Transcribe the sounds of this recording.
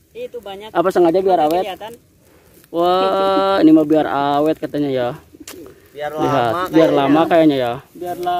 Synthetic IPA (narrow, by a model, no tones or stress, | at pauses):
apasaŋad͡ʒabiaɾawɛt̪̚ | wainimabiarawɛt̪̚kat̪aɲaja | liɦat̪̚biarlamakajaɲaja